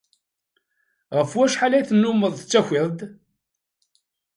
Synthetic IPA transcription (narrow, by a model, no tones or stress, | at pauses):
ʁəfwæʃħalæjθənːuməðˤt͡sːæçɪðˤd̪